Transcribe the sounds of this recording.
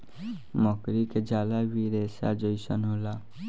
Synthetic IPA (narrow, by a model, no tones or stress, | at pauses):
mɔkɾiked͡ʒaːlabiɾɛːsa̰d͡ʒɔisənɦoːlaː